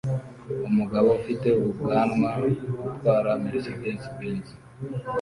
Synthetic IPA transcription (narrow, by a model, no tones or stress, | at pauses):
umuɡaβo̞ufite̞uβubɡaːnmaɾɡutwaːɾamiɾisiɡeːnsibeːnzi̥